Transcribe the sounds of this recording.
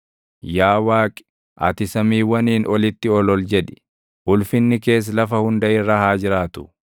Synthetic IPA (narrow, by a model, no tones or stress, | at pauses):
jaːwaːkʼɪ̥ | ʔɐ̰t̪ɪsɐmiːwːɐniːnʔɔlɪt̪ːɪɔlɔld͡ʒɛᶑɪ̥ | ʔʊlfɪnːɪke̞ːs̬lɐfɐhʊnd̪ɐʔɪrːɐhaːd͡ʒɪɾaːt̪ʊ̥